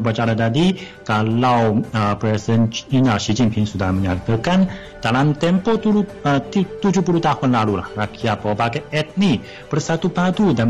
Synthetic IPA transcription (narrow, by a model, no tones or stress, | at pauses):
upat͡ʃaɾat̪adi | kalawəpɾɛsidəninasid͡ʒimpʰɪŋsudahməɲat̪əkan | d̥alamt̪ɛmpɔt̪ulu | ət̪it̪ud͡ʒupulut̪ahʊnlalulahrakʰiapobaɡaɛt̪̚ni | b̥ərsat̪ubadudan